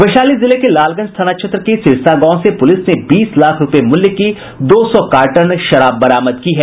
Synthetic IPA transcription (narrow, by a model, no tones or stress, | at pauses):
ʋɐʃaːlizɪlekelaːlɡənst̪ʰaːnaʃʰɐt̪ɾəkisɪlsaɡãːsepʊlɪsnebiːslaːkʰɾʊpemʊljəki | d̪oːsɔkaːɾʈənʃɐɾaːbːɐɾaːməd̪kiɦɛː